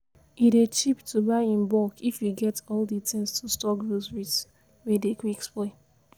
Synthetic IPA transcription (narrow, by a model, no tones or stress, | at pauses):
iɾet͡ʃiptubaɪĩmbɔkifjuɡɛtɔlditĩŋstustɔkdosɹits | wedekwiksple